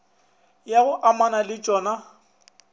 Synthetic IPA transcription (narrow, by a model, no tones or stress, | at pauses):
jaɣʊʔamanalɪt͡ʃʼɔːna